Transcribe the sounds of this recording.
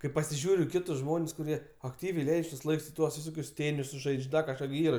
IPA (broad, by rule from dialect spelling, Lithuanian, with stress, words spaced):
kɐɪ pɐsʲɪˈʒʲuːrʲʊ ɪ ˈkʲɪtʊs ˈʒmoːnʲsʲ kʊˈrʲiɛ ɐkˈtʲiːʋʲɛɪ ˈlʲɛɪt͡ʃʲ tuɔs ˈlˠɐɪks ɪ ˈtuɔs ʋʲɪˈsoːkʲʊs ˈtʲeːnʲɪsʊs ˈʒɐɪt͡ʃʲ ˈdɐ kɐʃˈkɑː ɡʲɪ ˈiːrɐ